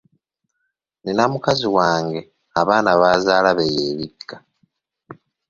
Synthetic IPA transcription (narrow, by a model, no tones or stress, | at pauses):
ninamukaziwaːŋɡe̞ | aβaːnaβaːzaːlaβejeːβiɡa